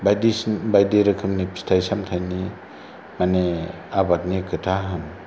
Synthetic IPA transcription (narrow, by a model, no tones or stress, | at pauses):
bajdibajdiɾɯkʰɯmnipstʰajsamtʰajni | mane | abat̚nikʰɯtʰaɦɯn